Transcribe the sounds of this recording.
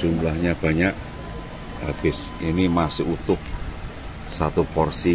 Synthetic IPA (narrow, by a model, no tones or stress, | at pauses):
umlahɲab̥a̤ɲaʔ | ɦab̥ɪsinimasɪʔut̪ʊk̚ | sat̪upɔrsi